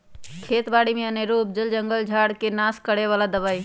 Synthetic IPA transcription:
kʰeːt̪baːɽimẽəneɾuːp̚d͡ʒəld͡ʒəŋɡəld͡ʒʱaːɽkenaːskəɽeʋaːlad̪əʋaːi

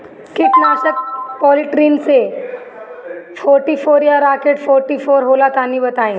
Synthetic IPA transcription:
kiknaɕək̚pɔliʈɾiːnse | fɔɾʈifoɾjaɾakeʈfɔɾʈifoːɾɦolat̪aniːbət̪aĩː

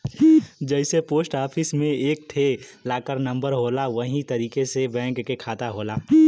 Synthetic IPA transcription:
d͡ʒɛɪsepoːsʈaːpʰɪsmẽeːk̚ʈʰelaːkəɾnə̃mbəɾɦoːlaʋəɦĩt̪ɐɾiːkesebɛ̃ːŋkːekʰaːt̪aɦoːlaː

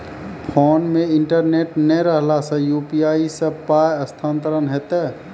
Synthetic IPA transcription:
pʰonmeiɳʈəɾneʈnɛɾəɦlasə̃jupiaisəpajəst̪ʰant̪əɾənɦet̪ɛ

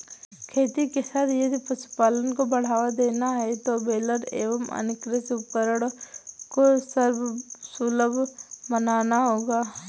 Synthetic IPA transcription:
kʰeːt̪ikesaːt̪ʰjɐd̪ipɐsu̥paːlənkobɐɽ̤aːʋad̪eːnaɦɛt̪obeːləɾḛːʋəmɐ̰nɪkɾɪskəɾəɽkosəɾbʱsuləbʱmənaːnaɦoːɡaː

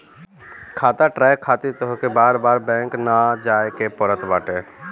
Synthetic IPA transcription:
kʰaːt̪aʈɾaːjkʰaːt̪it̪ɦkebaːɾbaːɾbɛ̃ːŋknad͡ʒaːekepɔɾət̪baːʈeː

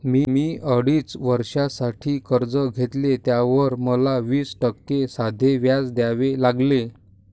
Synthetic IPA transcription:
miːmiːʔəɽiːt͡sʋəɾʂasaʈʰiːkəɾd͡zəɡʱet̪let̪jaʋəɾməlaʋiːsʈəkːesad̪ʱeʋjad͡zd̪jaʋelaɡle

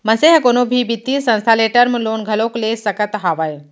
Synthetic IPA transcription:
məseɦəkonobʱiːbit̪ːiːsə̃w̃st̪ʰaleʈəɾməloːnɡʱəloklesəkət̪ɦaʋaj

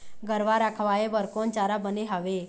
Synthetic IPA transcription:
ɡəɾʋaɾakʰʋaebəɾkont͡ʃaɾabəneɦaʋe

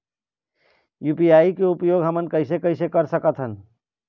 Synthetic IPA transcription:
juːpijaːikeupjoɡɦəmənkəɪsekəɪsekəɾsəkət̪ʰɦən

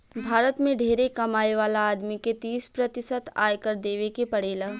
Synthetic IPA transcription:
bʱaːɾət̪mẽɖʱeːɾekɐmaːeʋaːlaaːd̪miket̪iːspɾɐt̪ɪsət̪a̰ːjkəɾd̪eːʋekepɐɽeːlaː

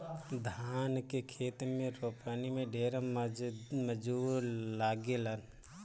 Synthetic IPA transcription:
d̪ʱaːnkekʰeːt̪mẽɾoːpanimẽɖeːɾəmməd͡ʒulaːɡelən

